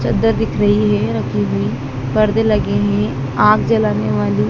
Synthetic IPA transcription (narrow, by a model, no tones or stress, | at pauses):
t͡ʃəd̪əɾd̪ɪkʰɾɐɦiɦɛɾɐkʰiɦui | pɐɾd̪elɐɡeɦɛ̃ | aːkd͡ʒɐlaːneʋaːli